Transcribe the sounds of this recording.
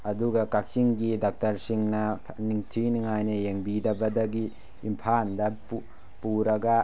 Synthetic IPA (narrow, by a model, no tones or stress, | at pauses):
ɐduɡɐkak̚siŋɡidak̚tɐɾsiŋnɐniŋtʰiniŋajnɐjeŋbidɐbɐdɐɡiː | mpʰandɐp | puɾɐɡɐ